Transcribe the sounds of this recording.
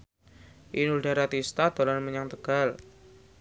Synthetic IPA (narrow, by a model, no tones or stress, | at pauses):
ʔinuldaɾat̪ist̪ad̪̥o̤lanməɲaŋt̪əɡ̥a̤l